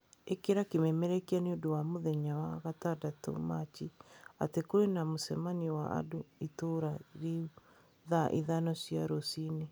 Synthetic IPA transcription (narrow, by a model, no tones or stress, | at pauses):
ekeɾakemɛmɛɾɛkianeodowamoðɛɲawaɣatadato̰mat͡ʃia̰tekoɾenamosɛmaniwa̰a̰doitoɾaɾe | ðaʔḭðanɔsiaɾosine